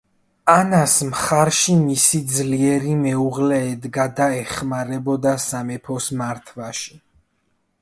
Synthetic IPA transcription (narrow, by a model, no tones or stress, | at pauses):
anasmχaɾʃimisid̪zliɛɾimɛuʁlɛːd̪ɡad̪aɛχmaɾɛbɔd̪asamɛpʰɔsmaɾt̪ʰwaʃi̥